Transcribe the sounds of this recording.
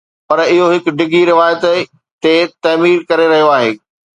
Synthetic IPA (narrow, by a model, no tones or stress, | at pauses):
pɐɾɪɦoɦɪk̆ɖɪɡiɾɪʋaːjət̪ | t̪et̪ɐːmiːɾkɐɾeɾɐɦijoaːɦeː